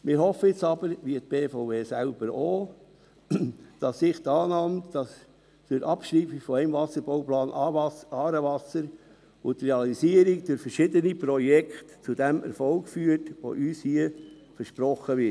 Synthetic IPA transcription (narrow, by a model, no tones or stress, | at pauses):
mɪɾɦɔfːəjɪt͡sɑb̥əɾʋiət̪̚b̥eːfɔʊveːsælb̥əɾo | d̥ɑsːɪχtɑːnɑmtd̥ɑs | t͡sʊɾɑpʃɾiːfifɔæɪmvɑsəɾbɔʊplɑːnʔɑːɾəʋɑsəɾ | ʊt̪reɑlisiəɾik̚d̥ʊɾfəɾʃɪdənipɾɔjɛkχtt͡sud̥ɛmɛ̰ɾfɔlkfyːətʋo̰ʔyːshiə | fəɾʃpɾɔχəʋɪ